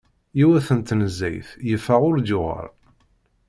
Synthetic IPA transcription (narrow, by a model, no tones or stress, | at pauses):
iwæθənt̪ːnəzːæ̰jθjəfæʁʊɾdʊʁə̰ɾ